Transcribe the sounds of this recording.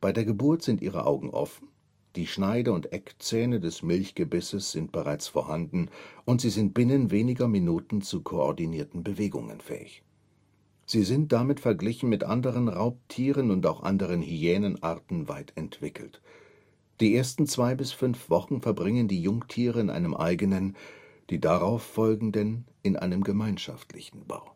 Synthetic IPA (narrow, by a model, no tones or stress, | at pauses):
b̥aɪdeːɐɡəbʊɐtz̥ɪntʔḭːʁə̰ʔa̰ʊɡŋ̩ʔɔ̰fn̩ | d̥iːʃnaɪdəʊntʔɛkt͡sɛːnədɛsmɪlçɡ̥əbɪsəsz̥ɪnt̚b̥əʁaɪt͡sfoːɐhandn̩ʔʊntz̥iːzɪnt̚b̥ɪnənveːnɪɡɐminuːtn̩t͡sukʰoɔɐdiniːɐtn̩bəveːɡʊ̰ŋə̰nfɛ̰ːɪ̰ç | z̥iːzɪnt̚d̥amɪtfɛɐɡlɪçn̩mɪtʔandəʁ̞ənʁaʊp̚tʰiːʁənʊntaʊxʔa̰ndəʁ̞ənhyɛːnənʔa̰ʁtn̩vaɪtɛntv̥ɪkʰl̩t | d̥iːʔeːɐstn̩t͡sv̥aɪbɪsfʏnfv̥ɔχn̩fɛɐbʁɪŋəndiːjʊŋtʰiːʁəɪnʔa̰ɪnəmʔa̰ɪɡənənd̥iːdaʁaʊfːɔlɡŋ̩dɛn | ɪnʔa̰ɪnəmɡəmaɪnʃa̰ftlɪ̰çn̩b̥a̰ʊ